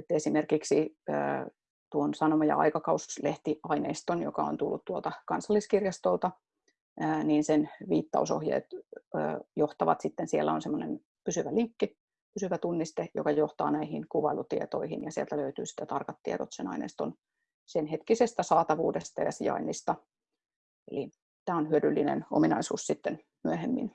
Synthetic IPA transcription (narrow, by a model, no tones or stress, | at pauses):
et̪ːesimerkiksiə̰ː | t̪uonsɑnomɑjɑ̰ʔɑ̰ikɑkɑusleht̪iʔɑineːst̪onjokɑont̪ulːut̪t̪uolt̪ɑkɑnsɑlːiskirjɑst̪olt̪ɑ | əːniːnsenʋiːt̪ːɑ̰uso̰hjḛːt̪ː | joht̪ɑʋɑ̰t̪sit̪ːensielːæonsemːonen | pysyʋæliŋkːi | pysyʋæt̪unːist̪ejo̰kɑjoht̪ɑ̰ːnæihinkuʋɑilut̪iet̪oihinjɑsiḛlt̪æløyt̪y̰ːsi̥t̪ːæt̪ɑrkɑt̪ːiet̪ot̪senɑ̰inḛːst̪on | senhet̪kisest̪æsɑːt̪ɑʋuːdest̪ɑjɑ̰siɑ̰inːist̪ɑ | ḛli | t̪æːonhyødylːinḛno̰minɑisṵːssit̪ːen | myøhemːḭn